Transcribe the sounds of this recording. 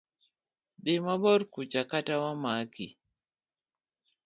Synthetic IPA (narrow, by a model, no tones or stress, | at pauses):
ɗimaɓɔɾkut͡ʃakatawamakḭ